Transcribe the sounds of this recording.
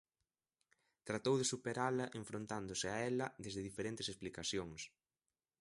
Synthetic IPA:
t̪ɾat̪owðesupeɾalɐʔeɱfɾõnt̪and̪osɪaɛlɐðezðɪðifeɾẽnt̪esesplikaθjoŋs

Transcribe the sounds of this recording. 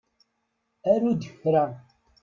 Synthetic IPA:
æɾud̪əçɾæ

